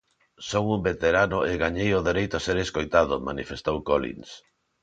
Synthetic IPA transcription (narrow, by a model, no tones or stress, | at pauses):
sowumbet̪eɾanʊeɣaɲejoðeɾejt̪ʊaseɾeskojt̪aðʊma̰nḭfest̪owkolḭns